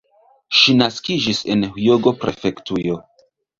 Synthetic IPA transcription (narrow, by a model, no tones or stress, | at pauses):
ʃinaskid͡ʒise̞nhjoɡo̞pɾe̞̰fe̞ktujo̞